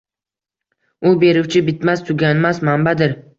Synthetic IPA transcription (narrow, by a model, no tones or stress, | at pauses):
ʊbe̞ɾɪwt͡ʃʰɪbɪt̪mast̪ʰʊɡʲanmasmambad̪ɪɾ